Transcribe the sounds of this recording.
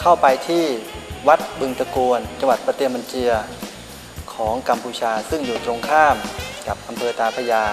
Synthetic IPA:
kʰa˥˩wpa˧jt̪ʰiː˥˩wa˦˥t̪̚bɯ˧ŋt̪a˧kuː˧nt͡ɕa˧ŋwa˨˩t̪̚pa˧t̪e˧˥˩mːa˧nt͡ɕi˧ɐ | kʰɔː˩˦ŋka˧mpʰuː˧t͡ɕʰaː˧sɯ˥˩ŋjuː˨˩t̪ɾo˧ŋkʰaː˥˩mka˨˩p̚ʔa˧mpʰɤː˧t̪aː˧pʰa˧jaː˧

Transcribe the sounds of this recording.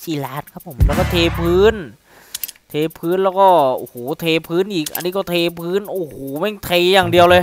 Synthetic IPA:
siː˧˩laː˦˥n̚kʰa˦˥pʰːo˩˦mlɛː˧˩kɔː˧˩t̪ʰeː˧pʰɯː˦˥˩n | t̪ʰeː˧pʰɯː˧˥˨nlɛː˧˩wkɔː˧˥˩ʔoː˧˩hoː˨˩˦t̪ʰeː˧pʰɯː˦˥˨nʔiː˨˩k̚ʔa̰˧nːiː˧˥kɔː˧˩t̪ʰeː˧pʰɯː˦˥˨nʔoː˧˩hoː˨˩˦mɛ˧˥˨ŋt̪ʰe˧jaː˨˩ŋdi˨˧əwlɤː˧j

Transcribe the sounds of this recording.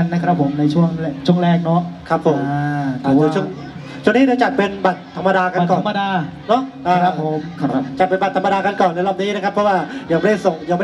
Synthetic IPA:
a˧nːa˦˥kʰɾa˦˥pʰːo˩˦mna˧jt͡ɕʰu˥˩əŋ˧˩t͡ɕʰu˥˩ŋɾɛː˥˩k̚nɔ˦˥kʰa˦˥pʰːo˩˦mː˧˩ | ɯː˧˩t͡ɕʰu˥˩˨ŋ | t͡ɕʰu˥˩˨ŋniː˦˥ɾaː˧˩t͡ɕa˨˩t̪̚pe˧nba˨˩t̪̚ʰːa˧mːa˧daː˧ka˧kɔː˨nma˧daː˧nɔ˦˥ʔʔaː˨˧˨ɾa˦˥pʰːo˨˩˦mt͡ɕa˨˩t̪̚pe˧nba˨˩t̪ːʰma˧daː˧ka˧nkɔː˨˩nlɛ˧˦˩lɔː˧˩niː˦˥na˦˥kʰa˦˥pʰːɔ˥waː˥˩diː˧˦˩wma˥˩a˧˩jso˨˩ŋdm˥˩

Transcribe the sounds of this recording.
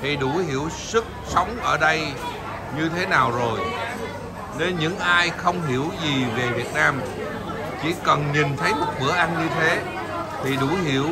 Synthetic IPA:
t̪ʰi˨˩ɗu˧˩˦hi˧˩əwsɨ˦˥k̚sə˨˦wŋ͡mʔəː˧˩ɗə˧j | ɲɨ˧t̪ʰe˨˦naː˨˩wzo˨˩j | ne˨˧nɲɨ̰˧˥ŋʔaː˧jxə˧wŋ͡mɦi˧˩əwzi˨˩ve˨˩vi˨˩ət̚naː˧m | t͡ɕḭ˧˩˥kə˨˩nɲi˨˩nt̪ʰə˨˦jmo˨˩t̚vɨ˧˩əʔa˧nɲɨ˧t̪ʰe˨˦ | t̪ʰi˨˩ɗu˧˩˦hi˧˩əw

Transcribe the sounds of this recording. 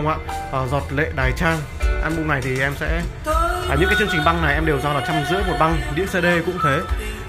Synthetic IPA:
wŋ͡ma̰ː˧˨ | ʔəː˨˩zɔ˨˩t̚lḛ˧˨ɗaː˨˩jt͡ɕaː˧ŋ | ʔaː˧nɓʊ˧ŋ͡mna˨˩jt̪ʰi˨˩ʔɛ˧msɛ̰˧˥ | aː˨˩ɲɨ̰˧˥ŋkaː˨˦t͡ɕɨ˧əŋt͡ɕï˨˩ŋ̟ɓa˧ŋna˨˩jʔɛ˧mɗe˨˩wzaː˨˧˩laː˨˩t͡ɕa˧mzɨ̰˧˥əmo˨˩t̚ɓa˧ŋɗḭ˧˥əŋse˧ɗe˧kʊ̰˧˥ŋ͡mt̪ʰe˨˦

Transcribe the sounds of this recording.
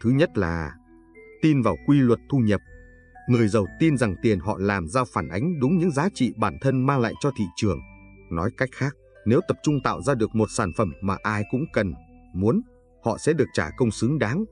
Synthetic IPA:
t̪ʰɨ˨˦ɲə˦˥t̚laː˨˩ | t̪i˧nvaː˨˩wkwi˧lwə˨˩t̚t̪ʰu˧ɲə˨˩p̚ | ŋɨ˨˩əjzə˨˩wt̪i˧nza˨˩ŋt̪i˨˩ənhɔ̰˧˨laː˨˩mzaː˧wfaː˧˩nʔa˨˦jŋ̟ɗʊ˨˦ŋ͡mɲɨ̰˧˥ŋzaː˨˦t͡ɕḭ˧˨ɓaː˧˩nt̪ʰə˧nmaː˧ŋla̰ː˧˨jt͡ɕɔ˧t̪ʰḭ˧˨t͡ɕɨ˨˩əŋ | nɔ˨˦jka˦˥jk̟̚xaː˦˥k̚ | ne˨˦wt̪ə˨˩p̚t͡ɕʊ˧ŋ͡mt̪a̰ː˧˨wzaː˧ɗɨ˨˩ək̚mo˨˩t̚saː˧˩nfə˧˩mːaː˨˩ʔaː˧jkʊ̰˧˥ŋ͡mkə˨˩n | mu˨˦ən | hɔ̰˧˨sɛ̰˧˥ɗɨ˨˩ək̚t͡ɕaː˧˩kə˧wŋ͡msɨ˨˦ŋɗaː˨˦ŋ

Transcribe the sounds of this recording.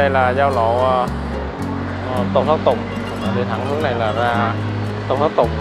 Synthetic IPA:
ə˧jlaː˨˩zaː˧wlo̰˧˨˩ | t̪o˨˩ŋ͡msaː˦˥k̚t̪ʊ˨˩ŋ͡m | a˨˩ɗt̪ʰa˧˩˦ŋnɨ˦˥ək̚na˨˩jlaː˨˩zaː˧ | t̪o˨˩ŋ͡msʰa˦˥t̚t̪ʊ˨˩ŋ͡m̚

